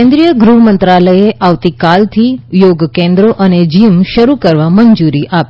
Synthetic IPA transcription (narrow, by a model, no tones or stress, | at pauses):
ẽnd̪ɾijəɡɾuɦmənt̪ɾaləeʔaʋt̪ikalt̪ʰijoɡkẽnd̪ɾoʔəned͡ʒimʃəɾukəɾʋaməɲd͡ʒuɾiʔap